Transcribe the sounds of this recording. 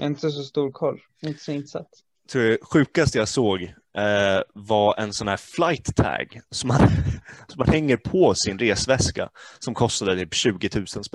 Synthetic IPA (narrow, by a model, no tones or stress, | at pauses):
a̰ɪnt̪əs̬ɔst̪uːɾkʰɔlː | ɪnt̪ə̥sɔɪnt̪sa̰t̪ː | t̪ʰɾuːɛɧʉ̟ːkast̪əjasoːɡ | vaɛnsɔnhæːflajt̪ːʰɛ̰ːɡsɔmːansɔmːanhɛŋːəɾpʰɔsɪnɾeːsvɛska̰sɔmkʰɔst̪ad̪ət̪ʰyːpɕʉ̟ːɡɪt̪ʰʉ̟ːsənspɛ